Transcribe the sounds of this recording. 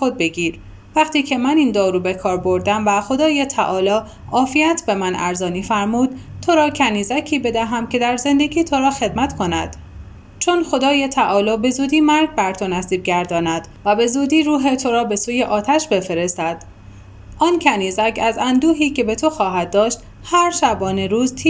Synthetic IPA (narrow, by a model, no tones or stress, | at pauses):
xo̞d̪̚be̞ɡiːɾ | væχt̪iːcʰe̞mæniːnd̪ɒːɾuːbe̞kʰɒːɾbo̞ɾd̪æmvæxo̞d̪ɒːjet̪ʰæʔɒːlɒː | ʔɒːfiæt̪ʰbe̞mænæ̰ɾzɒːniːfæɾmuːd̪̥ | t̪ʰo̞ɾɒːcʰæniːzæcʰiːbe̞d̪æɦæmce̞d̪æɾze̞nd̪e̞ɡiːt̪ʰo̞ɾɒːxe̞d̪̚mæt̪kʰo̞næ̰d̪̥ | t͡ʃʰo̞nxo̞d̪ɒːjet̪ʰæʔɒːlɒːbe̞zuːd̪iːmæɾɡ̚bæɾt̪ʰonæsiːb̚ɟæɾd̪ɒːnæd̪̥ | væbe̞zuːd̪iːɾuːɦet̪ʰo̞ɾɒːbe̞suːje̞ʔɒːt̪ʰæʃbe̞fe̞ɾest̪æd̪̥ | ʔɒːncʰæniːzæcʰæzænd̪uːɦiːcʰe̞be̞t̪ʰo̞xɒːɦæd̪̚ːɒːʃt̪ | hæɾʃæbɒːne̞ɾuːzt̪ʰi